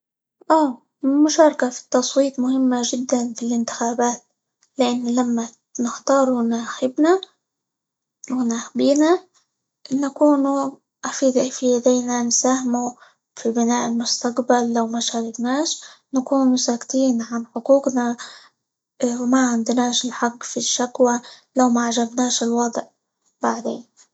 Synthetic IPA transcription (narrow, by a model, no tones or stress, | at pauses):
ʔaː | mʊʃɑːɾˤkafi̥t̪ːɑsˤwiːt̪mʊhɪmːaʒɪd̪ːanfilʔɪnt̪ɪ̥xaːbaːt̪̚ | lɪʔanːlamːa | nɪxt̪ɑːɾˤunaːxɪbna | wɪnaːxbiːna | nakuːnu | ʔafiːd̪filad̪ejnansaːhɪmu | fibɪnaːʔɪlmʊst̪aqbalːawmaʃaːɾɪknaːʃnakuːnusakt̪iːnʕanħʊquːqna | wmaʕɪnd̪naːʃɪlħaqːfiʃːakwalawmaʕaʒabnaːʃɪlwɑd̪ˤʕ | baʕd̪eːn